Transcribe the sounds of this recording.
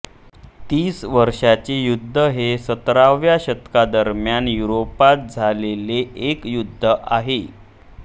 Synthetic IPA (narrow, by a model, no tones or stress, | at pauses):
t̪iːsʋəɾʂat͡ɕejud̪ʱːəɦesət̪ɾaʋjaɕət̪kad̪əɾmjanjuɾopat̪̚d͡zʱaleleʔekjud̪ʱːəʔaɦe